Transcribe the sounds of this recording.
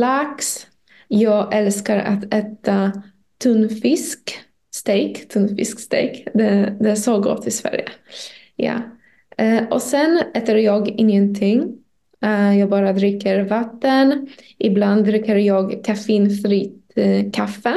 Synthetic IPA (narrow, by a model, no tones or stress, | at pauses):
laks | jɑːɡʔɛlskaɾa̰t̪ɛːt̪a | t̪ʰʊnfɪsk | st̪ɛjkt̪ʰʊnfɪ̰skst̪ɛ̰jkd̪ɛd̪ɛsoɡo̰t̪ʰːɪsvæ̰ɾjə̰ | jɑ̰ | ʔɔsɛnɛːt̪aɾjɑːɡɪŋːənt̪ʰɪŋː | jɑːɡ̚bɑːɾad̪ɾɪkːəɾvat̪ːən | ʔɪbland̪ːɾɪkːaɾjɑːɡkʰafəiːnfɾiːt̪kʰafːə